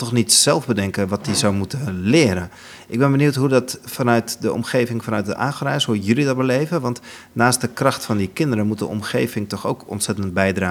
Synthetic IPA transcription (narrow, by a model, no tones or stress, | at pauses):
tɔxnitsɛlˠvbədɛŋkəʋɑt̚dizawmutəlɪːɾən | ʔɪɡ̚bɛnbənjuwtɦudɑtfanœɥtdəʔɔ̰mχejvɪŋfanœɥt̚dəʔaːxrɛjshujəlidɔt̚bəlejvəʋɑnt | naːst̚dəkrɑxtfɑndikɪndəɾəmut̚də̰ɔ̰mxḛjvɪŋtɔxo̰wkɔ̰ntsɛtənt̚bɛjdraː